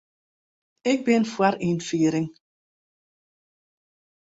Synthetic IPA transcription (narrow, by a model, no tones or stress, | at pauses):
ɪk̚bɪnfwaɾinfiːɾɪŋ